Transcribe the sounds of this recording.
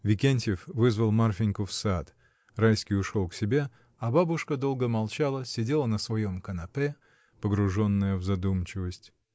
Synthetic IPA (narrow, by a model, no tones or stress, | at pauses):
vʲɪkʲenʲtʲɪfvɨzvəlˠmarfʲɪnʲkʊfsat̪ | rajskʲɪjʊʂolˠksʲɪbʲe̞ | ɐbabʊʂkəd̪o̞lˠɡəmɐlˠt͡ɕalˠəsʲɪdʲe̞lˠənəsvɐjo̞mkənɐpɛ | pəɡɾʊʐo̞nːəjəvzɐd̪umt͡ɕɪvəsʲtʲ